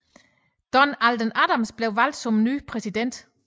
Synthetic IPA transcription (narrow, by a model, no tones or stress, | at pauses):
d̥ɒnæld̥ənædamsb̥le̝ʊʋæl̰d̥sɒ̽mny̰ːpʰʁɛsid̥en̰d̥